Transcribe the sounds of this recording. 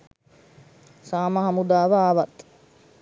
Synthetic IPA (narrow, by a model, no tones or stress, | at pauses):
saːməɦamud̪aːʋəaːʋat̪